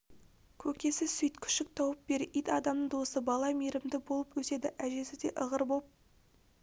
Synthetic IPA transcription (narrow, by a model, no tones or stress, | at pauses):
kʲʰɵkʲe̞sɪsʏjt̪kʲʰʏ̥ʃɪk̚t̪ʰɑwəp̚be̞ɾɪʔijt̪ɑd̪ɑmnəd̪osəbɑlˠɑmeɾɪmd̪ɪbo̞lˠəpwʰɵse̞d̪ɪʔæʒe̞sɪd̪e̞ʔəʁəɾbop̚